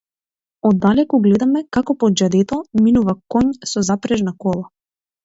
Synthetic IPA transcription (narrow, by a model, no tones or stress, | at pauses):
ɔd̪ːalɛkɔɡlɛd̪amɛkakɔpɔd͡ʒad̪ɛt̪ɔminuvakɔɲsɔzapɾɛʒnakɔlˠa